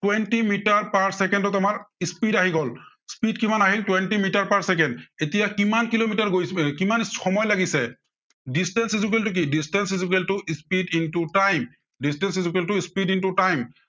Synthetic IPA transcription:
twɛntimitaɹpaɹsɛkɛndɔtamaɹispidaɦiɡɔl | spidkimanaɦiltwɛntimitaɹpaɹsɛk̬ɛndetijakimankilomitaɹɡojskimanxɔmɔjlaɡisɛ | distɛnsizuk̬eltʊk̬idistɛnsizuk̬eltʊispidintutajm | distɛnsizukeltʊispidintutajm

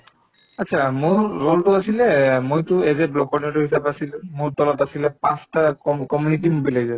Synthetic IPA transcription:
atːt͡ʃʰamuɹːɔltʊasilɛmojtʊɛzɛblɔkɔniɔtuɦisabasilmuɹtɔlɔtasilɛpãstakɔkɔmjunit̬imbilezɔ

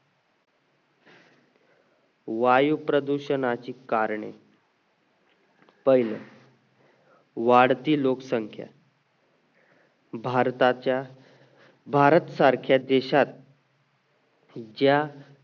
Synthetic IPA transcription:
ʋajupɾəd̪uɕənat͡ɕiːkaɾɳḛ | pəjlə | ʋaɽt̪iːloksəŋkʰja̰ | bʱaɾt̪at͡ɕa | bʱaɾət̪saɾkʰjad̪eɕat̪̚ | d͡ʑja

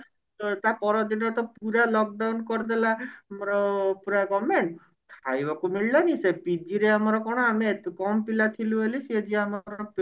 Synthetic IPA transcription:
t̪ɔt̪apɔɾɔd̪inɔt̪ɔpuɾalɔk̚ɖawnkɔɾd̪ɛlamɔɾɔpuɾaɡɔmen | kʰajbakumiɭlanisepid͡ʒiɾeamɔɾɔkɔɽ̃ɔamekɔmpilat̪ʰiluelised͡ʒiamɔɾɔp

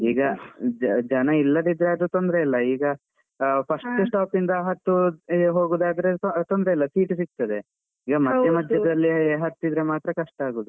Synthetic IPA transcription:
iːɡɐ | d͡ʒɐnɐilːɐd̪id̪ɾeɐd̪ut̪ond̪ɾeilːɐiːɡɐ | pʰɐsʈusʈaːpind̪ɐɦɐt̪ːuɦoːɡuːd̪aːd̪ɾet̪ond̪ɾeilːɐsiːʈsik̚t̪ɐd̪e | iːɡɐmɐːjɐmɐd̪ʱjɐd̪ɐlːiɦɐt̪ːid̪ɾemaːt̪ɾɐkɐʂʈɐaːɡuːd̪u

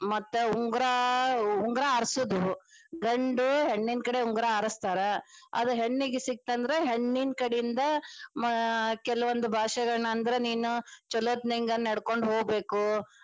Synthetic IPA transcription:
mɐt̪ːuuŋɡɾauŋɡɾaːɾsud̪uɡɐɳɖuɦeɳːind̪̚kɐɽeuŋɡɾaːɾɐst̪aːɾeɐ̰d̪uɦeɳːiɡesik̚t̪ɐnd̪ɐɾeɦeɳːin̚kɐɽejind̪ɐmkɛlɐʋond̪ubʱaːʂɐɡɐɭɳɐnd̪ɐɾeniːnut͡ʃɔloːt̪niŋɡɐnːɐɽko̞ɳɖɦoːɡ̚be̞ːku

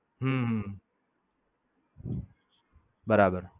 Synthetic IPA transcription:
ɦũɦũ | bəɾaːbəɾ

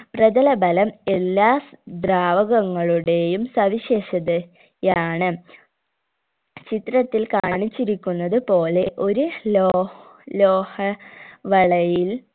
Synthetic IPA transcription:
prɐd͡ʑɐlɐbɐlɐme̞lːaːd̪raːʋɐɣɐŋːɐɭuɽe̞jumsɐʋiɕeːɕɐðɨ | jaːɳɨ | t͡ɕit̪ːɾɐt̪ːilkaːɳit͡ɕːiɾikʲːunːɐðɨpo̞ːle̞ʔo̞ɾuloːloːhɐʋɐɭɐjil

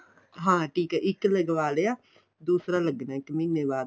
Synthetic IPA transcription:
ɦãːʈʰiːkɛːʔɪkːləɡʋaːleːaː | d̪uːsɾaːləɡnaːɪkːminːeːʋaːd̪

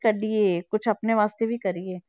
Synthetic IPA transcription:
kɐɾɖiekʊt͡ʃʰɐpneʋaːst̪ebʱikɐɾieː

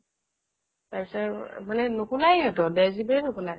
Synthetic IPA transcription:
taɹpi̥sɔmanɛnʊkulajɔtɔdɛzibɛnʊkula

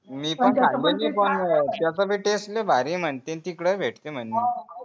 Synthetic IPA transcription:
miːpəɳad̪ilipəɳt̪jəsəbʱiːʈesʈlebʱaɾĩm̤əɳt̪ẽnt̪ikɽəbʱeʈt̪em̤əɳːi

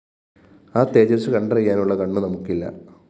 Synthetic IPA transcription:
aːt̪ːe̞ːd͡ʑɐɾɐsɨkɐɳɖɐrɐjːaːnuɭːɐkɐɳːunɐmukːilːɐ̰

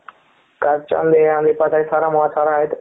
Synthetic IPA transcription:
kaɾt͡ʃã̰nd̪eãːnd̪ipasʰaːisaːɾamɐasaːɾaːɦet̪

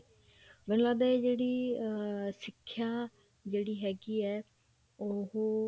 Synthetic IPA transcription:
ʋɪnlaːd̪ɛd͡ʒeːɽiː | sɪkʰːjaː | d͡ʒeːɽiːɦɛːɡiːɛː | oɦo

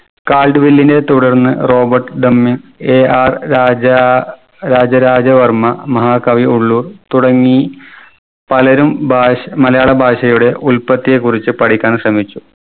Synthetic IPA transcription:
kaːlɖɨʋilːinde̞t̪uɽɐrnːɨro̞ːbɐrʈːɨɖɐmːiŋɡeːaːraːd͡ʑɐ | ɾaːd͡ʑɐɾaːd͡ʑɐʋɐrmɐmɐɦaːkɐʋiuɭːuːrt̪uɽɐŋːi | pɐlɐɾumbamɐlɐjaːɭɐbʱaːʂɐjuɽe̞ʔulpɐt̪ːijekːurit͡ɕːɨpɐɽikʲːaːnɕrɐmit͡ɕːu

